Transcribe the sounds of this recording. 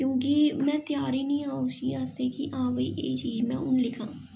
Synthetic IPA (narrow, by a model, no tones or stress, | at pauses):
kjõːk̬imɛ̃ːt̪jaːɾinĩːãːʊʃiaːst̪ekiʔãːʋəḭʔḛːt͡ʃiːd͡ʒmɛ̃ːʊnlɪkʰãː